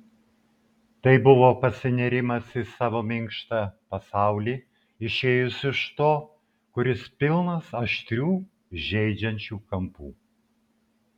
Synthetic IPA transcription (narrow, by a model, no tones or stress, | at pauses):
t̪ɐɪbʊʋoːpɐsʲɪnʲɛɾʲɪmɐsɪsɑːʋoːmʲɪŋˑkʃt̪ɐpɐsɑˑʊlʲiː | ɪʃʲeːjʊsɪʃt̪oː | kʊɾʲɪspʲɪlˠnɐsɐʃʲt̪ʲɾʲuː | ʒʲɛɪd͡ʒʲɛnʲt͡ʃʲuːkɐmpṵː